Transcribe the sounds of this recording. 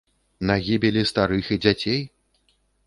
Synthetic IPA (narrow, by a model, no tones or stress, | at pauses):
naɣʲibʲilʲist̪aɾɨxid͡zʲat͡sʲej